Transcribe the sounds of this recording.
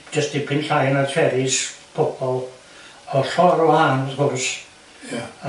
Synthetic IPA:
d͡ʒəstipʰɪnɬajnartʰɛɾɪsb̥ʰɔbɔlˠ | ɔɬɔɾɔhanəθkʊrs

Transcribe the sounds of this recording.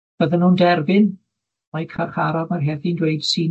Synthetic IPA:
b̥əðənːuːndɛrbɪn | majkʰarχaɾɔvmarɦɛðindweɨd̥siː

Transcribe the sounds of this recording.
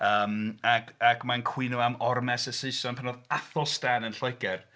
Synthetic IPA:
əːmaɡaɡmankʰw̥ɪnuamɔrmɛsəseɨsɔnpʰanɔðaθɔstanənɬɔjɡɛr

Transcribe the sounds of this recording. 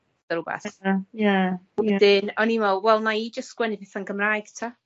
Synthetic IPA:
dəɾʊbɛ̰θjawɛdɪnɔnimɔwɛlˠmaid͡ʒəstɡ̥wɛnɪpɪθanɡəmraːjɡ̥tʰa

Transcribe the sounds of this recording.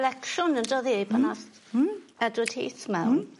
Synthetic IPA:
lɛkʃʊnəndrɔðiipʰənas | ɛdwəd̥hḭːθmɛwnn

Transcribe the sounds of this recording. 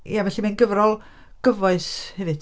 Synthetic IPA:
javɛɬimanɡəvɾɔlˠ | ɡ̥əvɔɨshɛvɨd̥

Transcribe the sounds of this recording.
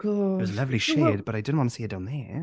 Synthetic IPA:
kʰɔzəlʌvliʃed̚b̥əɾajdɪdⁿn̩ʔwɔ̃ntəsiːɨdãnðɛ

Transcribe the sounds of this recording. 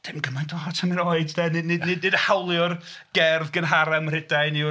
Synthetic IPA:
d̥ɪmɡəmajndɔɦɔtʰəmɪnoɨddɛnɪdnɪdnɪdnɨdəhawlˠjɔr | ɡ̥ɛrðɡənɦaɾamr̥ɪdajni

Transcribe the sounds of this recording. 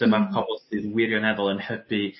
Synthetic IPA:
d̥əmarkʰɔbɔlˠθɨːðwɪɾjɔnɛðɔlˠənhəpi

